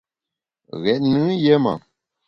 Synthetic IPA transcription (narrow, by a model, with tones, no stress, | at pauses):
ɣɛ˨ʔ̚nɨ˦jɛ˦ma̰˨